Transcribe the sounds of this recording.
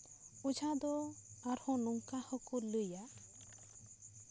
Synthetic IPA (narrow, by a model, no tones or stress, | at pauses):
ud͡ʒʱad̪oaɾhɔ̃nuŋkahɔkuluja